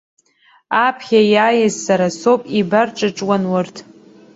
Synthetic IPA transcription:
apʰχʲajaːjɪzːaɾasopʼibarʈ͡ʂʼɨʈ͡ʂʼwanwʊrtʰ

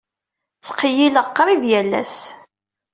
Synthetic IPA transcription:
t͡sːqːjiləʁqːɾˤivjælːæ̰s

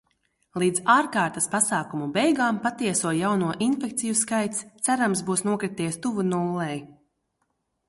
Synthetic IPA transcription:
lˠiːd̪zaːɾkaːɾt̪aspasaːkumubɛjɡaːmpat̪iɛsuɔjawnuɔʔinfɛk̚t̪sijuskajt̪st̪sæɾamsbuːsnuɔkɾit̪iɛst̪uvunulˠːɛj

